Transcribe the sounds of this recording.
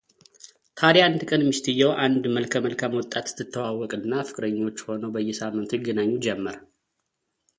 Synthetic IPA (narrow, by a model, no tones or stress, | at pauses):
t̪ʰaɾjant̪ɨkʼənmist̪ɨjːɛwʔand̪məlkʰəməlkʰamwɔt̪ʼːat̪ɨ̥t̪ʰːɨt̪ʰːəwawːɔkʼɨnːafɨkʼɾəɲːo̞t͡ʃːho̞nəwbəjːɛsamːɨnt̪jɛɡːənaɲːud͡ʒɛmːəɾ